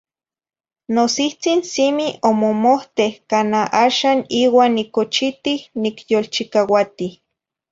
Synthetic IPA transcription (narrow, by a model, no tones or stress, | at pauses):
nosiht͡sinsimiomomoht̪ehkanaʔaːʃaːniːwaːnːikot͡ʃit̪ihnikjolt͡ʃikawat̪ih